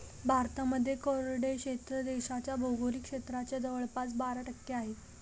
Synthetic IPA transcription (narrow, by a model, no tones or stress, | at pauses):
bʱaɾt̪aməd̪ʱːjekoɾɽekɕet̪ɾəd̪eɕat͡ɕjabʱowɡoɾiːkʂet̪ɾat͡ɕjad͡z̪əʋəɭpat͡sbaɾaʈəkːeaɦe